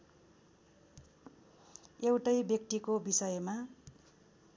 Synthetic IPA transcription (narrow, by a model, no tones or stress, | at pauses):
ewʈʌjbjʌk̚t̪ikobisʌjma